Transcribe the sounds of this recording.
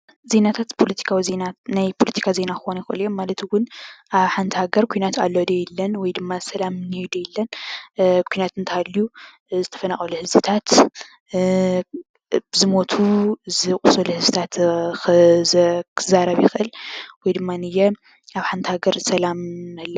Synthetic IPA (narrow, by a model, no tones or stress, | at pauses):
ze̞nat̪ʰat̪pʰo̞lɐt̪ʰi̥kʰawizenanajpʰolɐt̪ʰi̥kʰaze̞nakɨxonjɪxʔɨljo̞mːalɐt̪wʊnʔaβħant̪ʰɨhaɡɐɾkʰujnat̪alːod̪ɐjɛlːɐnwɔjd̪ɨmːasɐlamnejd̪ɐjɛlːɐn | kʰujnat̪ɨnt̪ʰaalːju | zɨt̪ʰɐ̥fɐnaχʼɐluhɨzɨt̪ʰat̪ | bɨzɨmo̞t̪ʰuzɨkʼusɐluhɨzɨt̪ʰat̪xɨzkʰɨzaɾɐβjɪxʔɨlwɔjd̪ɨmːanɨjɛ | aβħant̪ʰɨhaɡɐɾsɐlamalːɐ